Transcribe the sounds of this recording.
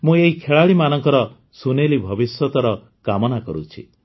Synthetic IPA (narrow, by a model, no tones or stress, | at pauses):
mũeɦikʰeɭaɭimanɔŋkɔɾɔ | sunelibʱɔbisjɔt̪ɔɾɔ | kamɔnakɔɾut͡ʃʰḭ